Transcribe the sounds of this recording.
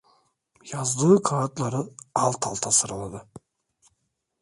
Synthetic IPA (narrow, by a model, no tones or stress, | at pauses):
jɑzd̪ɯkʰaːt̪lˠɑɾɯɑlˠt̪ʰɑ̰lˠt̪ʰɑsɯɾɯlˠɑd̪ɯ